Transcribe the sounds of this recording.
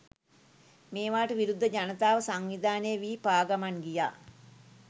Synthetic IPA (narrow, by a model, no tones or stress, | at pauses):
meːʋaːʈəʋiɾud̪ʱːəd͡ʒanət̪aːʋəsaŋʋid̪ʱaːnəjəʋiːpaːɡamanɡija̰ː